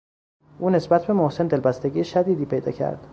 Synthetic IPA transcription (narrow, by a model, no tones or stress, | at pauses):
ʔuːne̞sbæt̪̚ʰbe̞mohse̞nd̪e̞lbæst̪eɟʲiːjeʃæd̪iːd̪iːpʰejd̪ɒ̰ːcʰæ̰ɾd̪̥